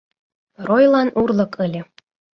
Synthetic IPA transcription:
rojlˠɑnurlɤ̆kʰəlʲɤ̆

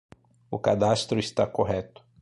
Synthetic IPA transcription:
ʊkad̪ast̪ɾʊist̪akoɦɛt̪ʊ̥

